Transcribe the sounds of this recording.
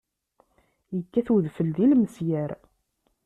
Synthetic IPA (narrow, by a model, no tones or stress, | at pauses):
jəkːæθuðfəlðilməsjæɾ